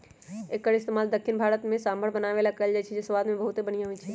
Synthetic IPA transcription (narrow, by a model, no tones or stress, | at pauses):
eːkːəɾɪst̪emaːld̪əkʰːɪnbʱaːɾət̪mẽsaːmbʱəɽbənaʋelakɐld͡ʒait͡ʃʰɛd͡ʒesʋaːd̪mẽbəɐɦut̪ɦebəñijãɦʊit͡ʃʰɛ